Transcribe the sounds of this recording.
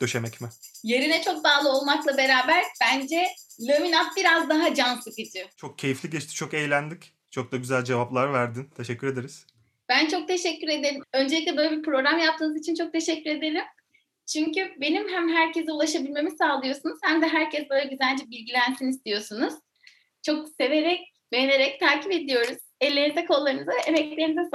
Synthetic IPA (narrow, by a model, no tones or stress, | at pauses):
d̪̥øʃemɛcmɪje̞ɾinɛt͡ʃʰo̞k̚d̪aːlˠɯo̞lˠmaklˠabe̞ɾaːbæɾb̥ænd͡ʒɛlʲaminat̪̚biɾazd̪aɦad͡ʒanslɯkit͡ʃ̪ʰit͡ʃʰo̞k̚cʰe̞jiflʲiɟɛt͡ʃt̪i̥t͡ʃʰo̞kejlʲænd̪ʲic | t͡ʃʰo̞k̚d̪aɟyzælʲd͡ʒe̞vaplˠaɾvæɾd̪int̪ʰeʃɛcːyɾe̞d̪eɾiz̥ | b̥ænt͡ʃʰo̞k̚t̪ʰe̞ʃɛcːyɾe̞d̪elʲimø̞nd͡ʒe̞lʲic̬̚ʲlʲɛbø̞ːlʲebipɾo̞ɡɾamjap̚t̪ʰɯːnɯzit͡ʃʰint͡ʃʰo̞k̚t̪ʰe̞ʃɛcːyɾe̞d̪elʲim | t͡ʃʰyɲcybe̞nimɦæmɦæɾcʰe̞zɛulˠaʃabilʲme̞misaːlˠɯjo̞sunuz̥hæmd̪ɛɦæɾcʰɛsbøːjlʲɛɟyzænd͡ʒɛbilʲɟilʲænt̪ʰinist̪ʰijo̞sunuz̥ | t͡ʃʰo̞kse̞ve̞ɾɛc̚ | jneɾɛc̚t̪ʰaːcipe̞d̪ilʲijo̞ɾuz̥ɛlʲːeɾinizɛkʰo̞lˠːaɾɯnɯzaʔemɛclʲe̞ɾinizɛs